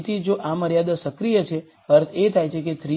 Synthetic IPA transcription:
t̪ʰid͡ʒoʔaməɾjad̪əsəkɾijət͡ʃʰe | əɾt̪ʰet̪ʰajt͡ʃʰeket̪ʰɾi

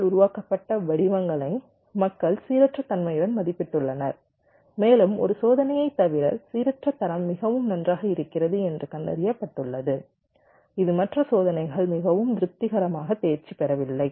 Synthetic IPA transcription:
ɭʊɾʊʋaːkɐpːɐʈːɐʋɐɽɪʋɐŋɡɐɭɐɪ | mɐkːɐɭsiːɾɐʈrɐt̪ːɐnmɐjɪɽɐnmɐðɪpːɪʈːɯɭːɐnɐɾ | meːlɯmɔ̰ɾɯsoːðɐnɐjɐɪt̪ːɐʋɪɾɐsiːɾɐʈrɐt̪ːɐɾɐmːɪɣɐʋɯmnɐndraːɣɐɪɾɯkːɪɾɐðɯɛndrɯkɐnd̪ɐ̰ɾɪjɐpːɐʈːɯɭːɐðɯ | ɪðɯmɐʈrɐsoːðɐnɐɪɣɐɭmɪɣɐʋɯmd̪ɪɾɯp̚t̪ːɪɣɐɾɐmaːɣɐt̪eːɾt͡ʃːipːɛɾɐʋɪlːɐɪ

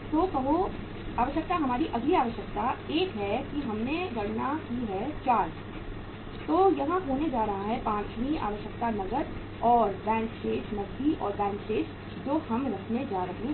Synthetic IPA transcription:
t̪oːkɐɦo | aːʋəʃjək̚t̪aɦɐmaːɾiʔɐɡliaːʋəʃjək̚t̪aeːkɦɛkiɦɐmneɡɐɽ̤nakiɦɛt͡ʃaːɾd͡ʒ | t̪oːjɐɦãɦoːned͡ʒaːɾɐɦaɦɛpãːt͡ʃmĩa̰ːʋəʃjək̚t̪anɐɡəɾ | ɔːɾbɛ̃ːŋkʈeːd͡ʒnɐzd̪ʱiʔɔ̰ːɾbɛ̃ːŋkʈeːd͡ʒ | d͡ʒoːhɐmɾɐkʰned͡ʒaːɾɐɦẽ

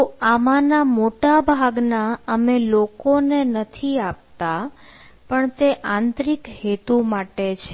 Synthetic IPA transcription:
oamanamoʈabʱaɡnaəmelokonenət̪ʰiap̚t̪a | pəɳt̪eʔãnt̪ɾikɦet̪umaʈet͡ʃʰe

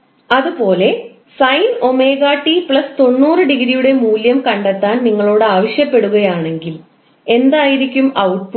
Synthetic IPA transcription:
ɐðupo̞ːle̞ | sɐjno̞meːɣaːʈːipɭɐst̪o̞nːuːrɨɖiɣiɾijuɽe̞muːljɐmkɐɳɖet̪ːaːnniŋːɐɭo̞ːɽɨaːʋɐɕjɐpːe̞ɽuɣɐjaːɳe̞ŋɡil | e̞nd̪aːjiɾikʲːumɐwʈ̚pu

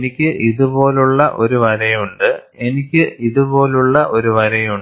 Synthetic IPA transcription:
nikʲːɨʔiðubo̞ːluɭːɐʔo̞ɾuʋɐɾɐjuɳɖɨ | e̞nikʲːɨiðubo̞ːluɭːɐʔo̞ɾuʋɐɾɐjuɳ

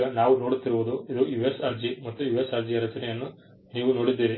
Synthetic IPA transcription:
ɐnaːʋuno̞ːɽut̪ːiɾuʋud̪uid̪ujuʋesɐɾd͡ʒimɐt̪ːujuʋesɐɾd͡ʒijɐɾɐt͡ʃɐnɛjɐnːu | niːʋuno̞ːɽid̪ːiːɾi

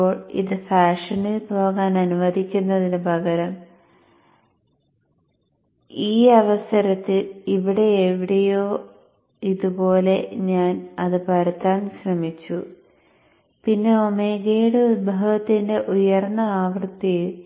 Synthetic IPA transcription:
oːɭḭðɨfaːʂɐnilbʱoːɣaːnɐnuʋɐd̪ʱikʲːunːɐðinubʱɐɣɐɾɐm | iːɐʋɐsɐɾɐt̪ːiliʋiɽe̞ːʋiɽɐjo̞ː | iðubo̞ːle̞ɲaːnɐðɨpɐɾɐt̪ːaːnɕrɐmit͡ɕːu | pinːe̞o̞meːɡeːɽebʱɐɣɐt̪ːinde̞ʔujɐrnːɐaːʋrt̪ːijiɭ

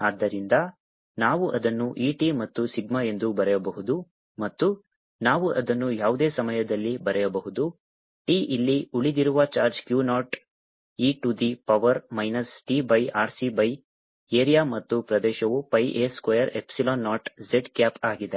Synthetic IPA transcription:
aːd̪ːɐɾind̪ɐ | naːʋuʔɐd̪ɐnːuʔiːʈimɐt̪ːusiɡmɐe̞nd̪ubɐɾɛjɐbɐɦud̪u | mɐt̪ːu | naːʋuʔɐd̪ɐnːujaːʋud̪eːsɐmɐjɐd̪ɐlːibɐɾɛjɐbɐɦud̪u | ʈiːʔilːiuɭid̪iɾuʋɐt͡ʃaːɾd͡ʒkjuːnaːʈ | iːʈud̪ipɐʋɐɾmɐjnɐsʈiːbɐjaːɾsibɐj | eːɾijaːmɐt̪ːupɾɐd̪ɛːʃɐʋupɐjʔeːskwɐjɐɾe̞psiloːnːaːʈd͡ʒeɖkjaːpaːɡid̪e

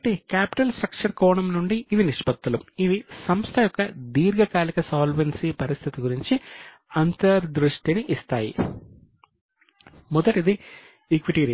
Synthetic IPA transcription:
ʈːikʲaːpi̥ʈːɐlsʈrɐk̚ʂɐrko̞ːɳɐmnuɳɖɨiʋiniʂpɐt̪ːɐlumiðisɐmst̪ʰɐjokːɐd̪iːrɡɐkaːlɐkːɐsaːlʋensipɐɾist̪ʰit̪iɡuriɲt͡ɕɨ | ɐnt̪ɐɾd̪ɾuʂʈinɨʔist̪aːjḭ | muðɐʈiðɨ | iːkʋiʈːiːɾiɐ

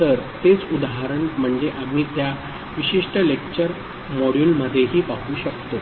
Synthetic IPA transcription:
t̪əɾt̪et͡sud̪aɦaɾəɳm̤əɳd͡zeʔam̤iːt̪ja | ʋiɕiʂʈəlek̚t͡ɕəɾ | mɔɽjuːlməd̪ʱːjeɦiːpakuːɕəkt̪o

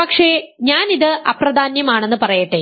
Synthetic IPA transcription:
pɐkʂeɲaːniðɨʔɐprɐd̪ʱaːnjɐmaːɳe̞nːɨpɐrɐjɐʈːe

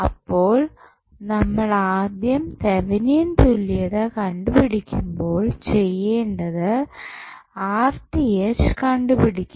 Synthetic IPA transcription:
ɐpːo̞ːɭ | nɐmːɐɭaːd̪jɐmt̪eʋinint̪ulːijɐðekɐɳɖupiɽikʲːumbo̞ːɭt͡ɕejːeːɳɖɐðɨ | aːrtieskɐɳɖupiɽikʲː

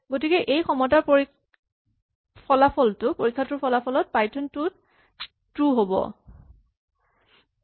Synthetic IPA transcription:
ɡotikɛʔejkʰɔmɔt̬apoɹi | pʰɔlapʰɔltʊpoɹikʰːatɹupʰɔlapʰɔlɔt̚pajtʰɔntʊt | tɹuɦobɔ̰

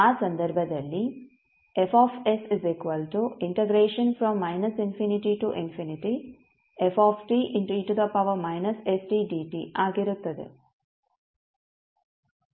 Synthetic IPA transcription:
aːsɐ̃nd̪ɐɾbʱɐd̪ɐlːi | efɔːfesizikʋɐlʈuiɳʈeɡɾeːʃɐnfɾɔ̃mːajnɐsinfiniʈiʈuʔinfiniʈi | efɔːfʈiːʔinʈːʈud̪ɐpɐʋɐmajnɐsesʈiːɖiːʈiʔaːɡiɾut̪ːɐd̪ḭ

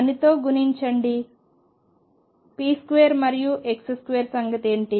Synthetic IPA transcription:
ɐnit̪o̞ːɡuniɲt͡ʃɐɳɖi | piːskuʋeːɐɾmɐɾijuʔekseskuʋeːɾsɐŋɡɐt̪e̞ːɳʈi

